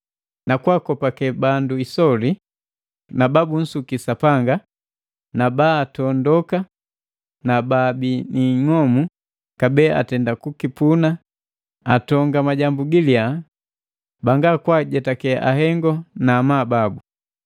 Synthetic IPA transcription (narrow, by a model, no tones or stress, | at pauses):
nakwakɔpakɛbanduisɔli | nababun̩sukisapaŋɡa | nabaːtɔndɔka | nababiniŋɔmu | kabɛa̰tɛndakukipuna | atɔŋɡamaɟambuɡilia | baŋɡakwaɟɛtakɛʔaɦɛŋɡɔnaːmaːbabu